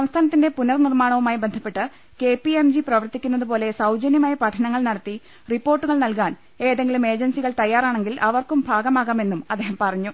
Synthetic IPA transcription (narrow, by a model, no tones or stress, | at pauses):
ssɐmst̪ʰaːnɐt̪ːinde̞punɐrnirmaːɳɐʋumaːjibend̪ʱɐpːe̞ʈːɨ | ke̞piemd͡ʑiprɐʋɐrt̪ːikʲːunːɐðupo̞ːle̞sɐwd͡ʑɐnjɐmaːjɐpɐʈʰɐnɐŋːɐɭnɐɽɐt̪ːi | ripːo̞ːrʈːuɣɐɭnɐlkaːn | e̞ːðeŋɡilume̞ːd͡ʑɐnsiɣɐɭt̪ɐjːaːraːɳe̞ŋɡilʔɐʋɐrkumbʱaːɡɐmaːɣaːme̞nːumɐd̪ːeːɦɐmpɐrɐɲːu